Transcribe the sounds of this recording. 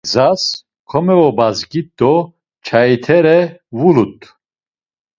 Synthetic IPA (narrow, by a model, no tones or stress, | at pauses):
zas | kʰɔmɛvɔbazɡit̪ːɔ | t͡ʃʰait̪ʰɛɾɛvulut̪ʼ